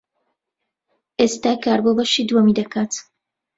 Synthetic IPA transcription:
ʔest̪aːkaːɾbobɐʃid̪wɐmid̪ɐkʰaːt̪

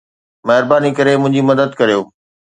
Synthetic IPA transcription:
mɛɦɪɾbaːnikɐɾemʊ̃ɦɪ̃ɲd͡ʑimɐd̪əd̪kɐɾijoː

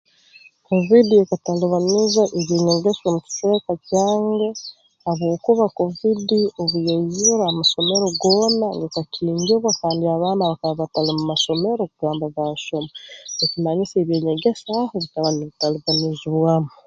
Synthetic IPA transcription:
ko̞vidiekataluβanizaʔeβjeːɲeɡesomuci̥tekacaːŋɡe | haβwo̞ːkuβako̞vidio̞βujezuɾaamaʃo̞me̞ɾoɡo̞ːnaŋɡekaciːɲɟiβwakaːndiaβaːnaβakaββatalimumaso̞me̞ɾokuɡaːmbaβaːʃomaekunaɲiseβjeːɲeɡe̞sahoβitalaniβitaluβaniziβwaːmo

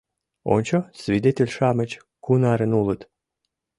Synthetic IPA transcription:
o̰nʲt͡ɕosvʲid̪et̪ʲelʲʃamət͡ɕ | kunaɾənulˠət̪

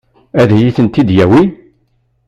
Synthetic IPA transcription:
æðæjiθənt̪ːid̪jæwi

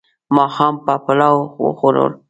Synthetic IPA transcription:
mɑxɑmpapalaw̰xoɾo̰ɾ

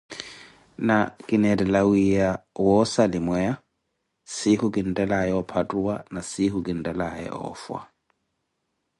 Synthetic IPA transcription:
nakʼɪnɛdɛlawijawɔsalɪmwɛa | sɪhʊkʼɪn̩tʼɛlaɛɔpʰatʼuanasɪhʊkʼɪn̩tʼɛlaɛ̰ʔɔ̰ːfwa̰

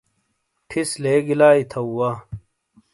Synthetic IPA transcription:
ʈʰisleːɡilaːit̪ʰɐwwɐ

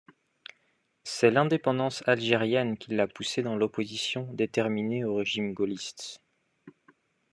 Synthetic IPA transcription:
sɛlɛ̃d̪epɑ̃d̪ɑ̃salʒeʁjɛnkʲʰilːapused̪ɑ̃lɔpozisjɔ̃d̪et̪ɛʁmineoʁeʒimɡolist̪

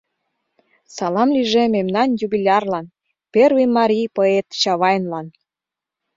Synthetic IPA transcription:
sɑlɑmliʒememnɑnjuβilʲɑrlɑn | pervʲimːɑɾʲijpoet̪t͡ɕɑβɑjənlɑn

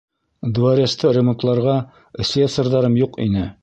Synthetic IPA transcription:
d̪uɑɾʲɑst̪ɤɾʲemont̪lˠɑɾʁɑ | ɘ̆sʲlʲisoɾðɑɾɤmjuqḭnɘ

